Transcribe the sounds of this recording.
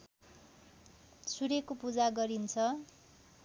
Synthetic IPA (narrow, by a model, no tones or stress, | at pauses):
sʰuɾekopud͡zaɡʌɾint͡sʰʌ